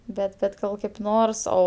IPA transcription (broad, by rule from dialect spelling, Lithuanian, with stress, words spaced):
ˈbʲɛt bʲɛt ˈɡɐlˠ kɐɪp ˈnoːrs ˈoː